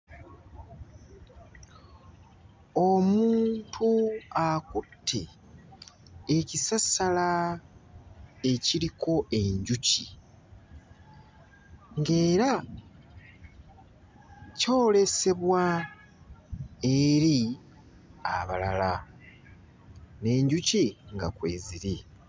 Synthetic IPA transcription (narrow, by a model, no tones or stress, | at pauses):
o̞muːntʰuakutʰːe̞ | ecisasala | e̞ciɾiko̞ʔe̞ɲɟucḭ | ŋɡe̞ːɾa | co̞ːle̞se̞βwa | eɾi | a̰βalala | ne̞ɲɟuciŋɡakwḛːziɾi